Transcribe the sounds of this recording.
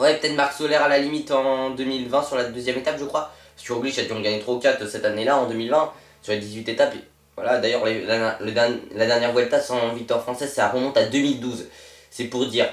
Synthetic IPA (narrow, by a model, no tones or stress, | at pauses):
wɛpə̥t̪ɛt̪maʁksolɛʁalalimit̪ɑ̃d̪ømilvɛ̃syʁlad̪øzjɛmet̪apʒəkχwa | skyʁɔ̃ɡleʃad̪iɔ̃ɡaɲet̪χokʲat̪øsɛt̪anelaɑ̃d̪ømilvɛ̃ | syʁlad̪izɥit̪et̪ape | vwa̰lad̪ajœʁlelɛlad̪ɛnlad̪ɛʁnjɛʁvwaet̪asɑ̃vik̚t̪wɔʁfχɑ̃sɛzsaaʁəmɔ̃t̪ad̪ømild̪uzsɛpuʁd̪iːʁ